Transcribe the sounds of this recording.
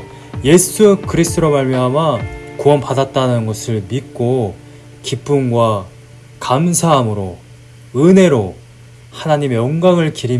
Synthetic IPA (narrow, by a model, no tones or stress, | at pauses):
je̞sʰukɯɾisʰt͈ʰoɾomaɭmjʌɦamakuʌnpadat̚t͈anɯnɡʌsʰɯɭmik͈o | kip͈umɡwa | kamsʰaɦamɯɾo | ɯnɦe̞ɾo | hanaɲime̞oŋɡaŋɯɭkiɾi